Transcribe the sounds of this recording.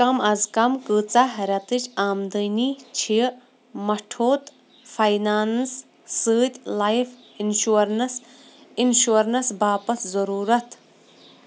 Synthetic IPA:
ɐmɐzkɐmkɨt͡saɦɐɾʲɐt̪ɨt͡ʃʲʰaːmd̪ənit͡ʃʰi | mɐʈʰoːt̪ | fʰɐjnaːnsː | ɨːt̪ʲlajf | inʃuɐɾnɐs | inʃuɐɾnɐsbaːpɐszɐɾuːɾɐt̪

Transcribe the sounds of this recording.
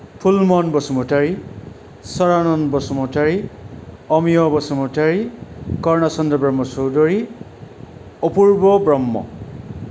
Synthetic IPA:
pʰulmɔnbɔsɔmɔtaɹi | sɔɹanɔnbɔsɔmɔtaɹi | ɔmijɔbɔsɔmɔtaɹikɔɹnasɔnd̪ɔbɹɔmːɔsowdɔɹi | ɔpuɹbɔbɹɔmːɔ̰

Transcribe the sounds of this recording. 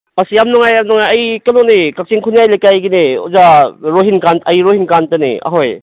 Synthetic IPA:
ɐsijamnɔŋajːamnɔŋajɐjkɐnonekak̚t͡ʃiŋkʰunjajlajkajɡineo̰zaɾoɦinkanɐjɾoɦhinkantɯnḭa̰ɦoj

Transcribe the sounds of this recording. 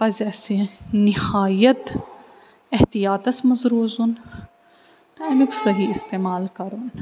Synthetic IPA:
pɐzɐsinɪhaːjɐt̪ | ɐht̪ijaːt̪ɐsmɐzɾuːzun | ɛmiksɐɦiɪst̪eːmaːlkɐɾun

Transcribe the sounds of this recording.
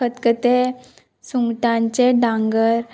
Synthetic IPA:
ət̪kət̪e | suŋɡʈãɲt͡ɕeɖãŋɡəɾ

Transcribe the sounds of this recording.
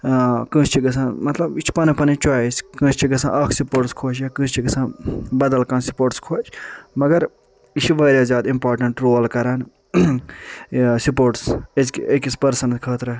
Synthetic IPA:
kɨ̃ːt͡ʃʲt͡ʃiɡɐsãːnmɐt̪lɐbit͡ʃʰpɐnipɐnit͡ʃaːiskɨ̃ːt͡ʃt͡ʃʰiɡɐsã̰ːʔɐkʰsipoːʈskʰoːt͡ʃʰjaːkɨ̃ːt͡ʃt͡ʃʰiɡɐsãːbɐd̪ɐlkãːnsi̥poːɾʈskʰoːt͡ʃʰmɐɡɐɾ | it͡ʃʰiʋaːɾʲjaːzʲjaːd̪impaːɾʈɐɳʈɾoːlkɐɾaːn | supoːɾʈseskekispɐɾsɐnt̪kʰɐːt̪ɾɐ

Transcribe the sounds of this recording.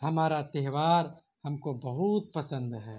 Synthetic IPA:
hɐmaːɾat̪eɦʋaːɾ | hɐmkobɐɦut̪̚pɐsə̃nd̪ɦɛː

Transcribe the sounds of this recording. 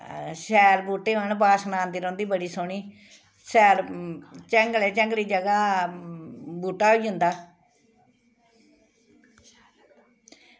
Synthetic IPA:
sɛːɾbuːʈeːɦəɳbaːsnaːnd̪iːɾɔ̃ːnd̪iːbəɽiːsoːɳiː | sɛːɾt͡ʃɛ̃ŋɡlɛːt͡ʃə̃ŋɡliːd͡ʒəɡaː | buːʈːaːɦoiːɦʊ̃nd̪aː

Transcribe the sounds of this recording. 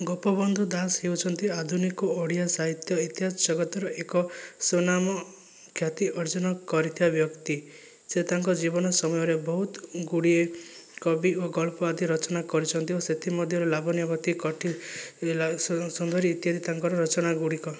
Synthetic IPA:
ɡɔpɔbɔnd̪ʱud̪asɦeut͡ʃʰɔnt̪iad̪ʱunikɔoɽijasaɦit̪jɔit̪iɦad͡ʒd͡ʒɔɡɔt̪ɔɾɔʔekɔsunamɔ | kʰjat̪iɔɾd͡ʒɔnɔkɔɾit̪ʰibabjɔkt̪i | set̪aŋkɔd͡ʒibɔnɔsɔmɔjɔɾebɔɦut̪ɡuɽiekɔbioɡɔɭpɔad̪iɾɔt͡ʃɔnakɔɾit͡ʃʰɔnt̪ioset̪ʰimɔd̪ʱjɔɾelabɔnijabɔt̪ikɔʈʰi | sund̪ʱɔɾiːt̪jɦad̪it̪aŋkɔɾɔɾɔt͡ʃɔnaɡuɽikɔ

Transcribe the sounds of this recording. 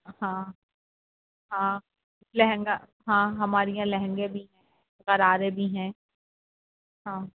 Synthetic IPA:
hãː | ɦãː | lɛɦɛ̃ŋɡa | ɦãːɦɐmaːɾijãlɐɦɛ̃ŋɡẽbʱiɦɛ̃ː | qɐɾaːɾebʱiɦɛ̃ː | ɦãː

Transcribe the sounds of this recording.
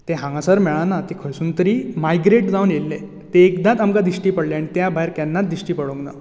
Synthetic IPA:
t̪eɦãŋɡãsəɾmɛɭãnat̪ekʰəɭsuːnt̪əɾiːmajɡɾeʈd͡zawnjelːe | t̪eːkd̪at̪amkad̪iɕʈiːpəɽleaɽ̃it̪jabʱajɾkanːat̪̚d̪iɕʈiːpəɽoŋɡna̰

